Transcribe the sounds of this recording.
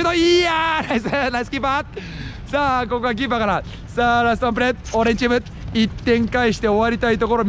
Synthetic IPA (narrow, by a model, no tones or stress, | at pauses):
ɯnoianaisnajsɨ̥kʲiːpːa | saːkokoɡak̬ʲipːakaɾa | saːɾas̬t̪ãmp̬ɯɾet̪oɾẽɲʲt͡ɕimɯ | it̪ːẽ̞ŋkaiɕi̥t̪e̞o̞βaɾʲit̪ait̪o̞ko̞ɾo̞